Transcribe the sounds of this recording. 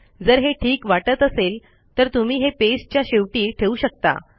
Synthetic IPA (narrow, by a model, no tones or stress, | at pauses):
d͡zəɾɦeʈʰiːkʋaʈət̪əsel | t̪əɾt̪um̤iːɦepest͡ɕjaɕeʋʈiːʈʰeuːɕək̚t̪a̰